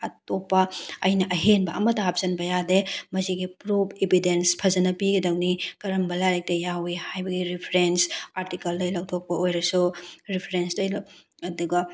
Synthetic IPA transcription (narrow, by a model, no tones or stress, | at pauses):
ɐtopːɐɐjnɐʔɐɦenbɐʔɐmɐtɐɦap̚z̥ɐnbɐjademɐsiɡipɾubʰebʱidenspʰɐzɐnɐpiɡɐdɐwnikɐɾɐmbɐlaɾek̚tɐjawihajbɐɡiɾipʰɾensaɾtikɐlːɐjlɐw̚tʰok̚pɐojɾɐsuɾipʰɾenstɐjl | ɐduɡɐ